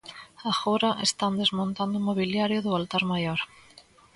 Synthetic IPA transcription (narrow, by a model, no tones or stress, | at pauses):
axoɾaʔest̪and̪ezmõnt̪and̪ʊumoβ̞iljaɾjʊðʊalt̪aɾmajoɾ